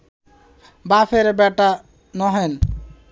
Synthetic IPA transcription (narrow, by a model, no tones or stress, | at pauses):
bafʰeɾebɛʈa | nɔɦɔn